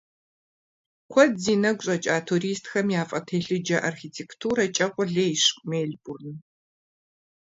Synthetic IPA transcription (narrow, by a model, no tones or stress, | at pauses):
kʷʰɔdziːnɐɡʷɕʼɐt͡ʃʼaːtʰuɾiːstʰxɐmjaːfʼɐtʰeːɬɨd͡ʒɐʔarxiːtʰeːktʰuːɾɐt͡ʃʼɐqʷʼʊɮeːjɕkʷʼmeːɮbʊrnɨ